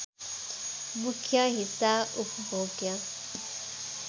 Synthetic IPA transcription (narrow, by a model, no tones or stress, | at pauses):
mukʰjaɦisaupbʱoːɡja